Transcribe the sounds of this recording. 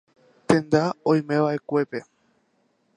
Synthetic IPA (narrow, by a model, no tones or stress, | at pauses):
t̪ẽ̞nd̪aõj̃mẽʋaʔe̞kʷe̞pe̞